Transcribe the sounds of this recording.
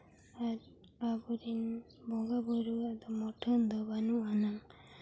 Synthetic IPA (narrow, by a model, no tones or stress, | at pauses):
aɾ | abuɾin | bɔɡabɔɾuad̪ɔmɔʈʰɔnd̪ɔbanuanaŋ